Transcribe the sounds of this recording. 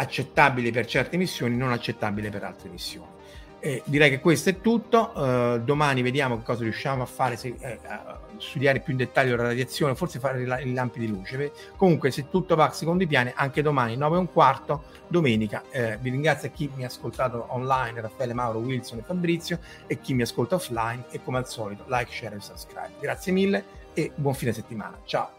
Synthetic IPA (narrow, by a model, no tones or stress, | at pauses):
at͡ʃːet̪ːabilepert͡ʃɛrt̪emisːjoːninonat͡ʃːet̪ːabilepeɾa̰lt̪ɾemisːjo̰ːni | d̪iɾɛjkekːwest̪oɛt̪ːut̪ːod̪omaːnived̪jaːmokekːɔːzaɾiuʃːaːmoafːaːɾese | st̪ud̪jaːɾepjuind̪et̪ːaʎːolaɾad̪jat̪sːjoːneofortsefaɾeilailampid̪iluːt͡ʃe | komuŋkweset̪ːut̪ːovaksekond̪oip̬jaːniʔaŋk̟ed̪omaːninɔːveuŋkwart̪o | d̪omɛːnikaviriŋɡɾat̪sːjak̟ːimiaskolt̪aːt̪oʔɔnlajnrafːɛːlemawɾowilsonefabɾit̪sːjo | ekːimːiaskolt̪aɔflajnekːomealsɔːlit̪olajkt͡ʃɛɾɛlsabskɾa̰jb̚ɡɾat̪sːjemilːe | ebwɔɱfines̬et̪ːima̰ːnat͡ʃao